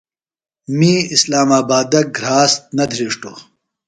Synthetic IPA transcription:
miːislaːmaːbaːd̪ɐɡɾaːst̪̚nɐd̪ʱɾiːʂʈoː

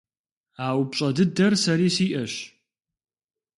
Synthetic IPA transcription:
aːwpɕʼɐdɨdɐrsɐɾiːsiːʔɐɕ

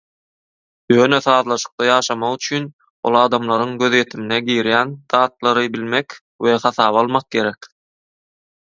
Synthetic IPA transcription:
jøːnøθɑːðlˠɑʃɯ̥q̚t̪ɑjɑːʃɑmɑʁyt͡ʃʰyn | o̞̰lˠɑːd̪ɑmlˠɑɾɯŋɡø̞ðje̞t̪ʰimineɡiːɾjænd̪̥ɑːt̪lˠɑɾɯbilmek | we̞χɑθɑːβɑlˠmɑq̚ɡe̞ɾek

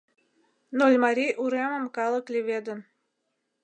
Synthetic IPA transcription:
nolʲmɑɾʲiʔuɾemə̆mkɑlə̆klʲeβʲed̪ə̆n

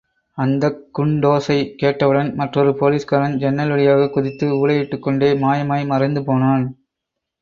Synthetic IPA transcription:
ɐnd̪ɐkːʊɳɖoːsɐɪkːeːʈːɐʋɯɽɐnmɐʈrɔɾɯpoːliːskɐɾɐnd͡ʒɛnːɐlʋɐɭɪjaːɣɐkːʊðɪt̪ːɯuːɭɐjɪʈːɯkːɔɳɖeːmaːjɐmaːjmɐɾɐɪnd̪ɯpoːnaːn

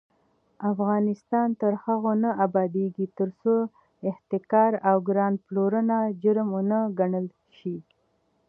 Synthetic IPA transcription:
afɣɑnɪst̪ɑnt̪əɾhaɣonaʔabɑd̪eɡit̪əɾso | ɪht̪ɪkɑɾawɡɾɑnploɾənad͡ʒəɾmunəɡaɳəl | ʃi

